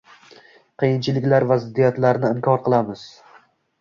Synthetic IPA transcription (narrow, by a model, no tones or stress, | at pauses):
qʰɨjɪnt͡ʃʰɪlɪkʲlaɾvazɪd̪ːijat̪laɾnɪɪmkʰɒɾqɨlˠamɪz̥